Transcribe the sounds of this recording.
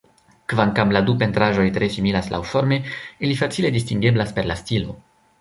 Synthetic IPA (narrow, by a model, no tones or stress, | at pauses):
kvaŋkamladupe̞ntɾaʒo̞jtɾe̞similaslʔa̰wfo̞ɾme̞ilifat͡sile̞distiŋɡeblaspe̞ɾlastilo̞